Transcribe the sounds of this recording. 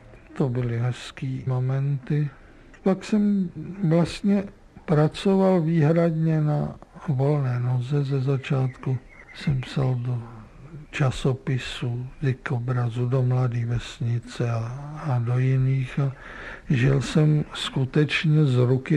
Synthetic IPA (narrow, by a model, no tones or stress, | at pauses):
t̪obɪlɪɦɛskiːmo̞mɛnt̪ɪ | paksɛmvlast̪ɲɛ | pɾat͡so̞valviːɦɾadɲɛnavo̞lnɛːnozɛzɛzat͡ʃaːt̪ku | sɛmpsaldo | t͡ʃasopɪsudɪkobɾazudomladiːvɛsɲɪt͡sɛaːdojɪniːxa | ʒɪlsɛmskut̪ɛt͡ʃɲɛzɾukɪ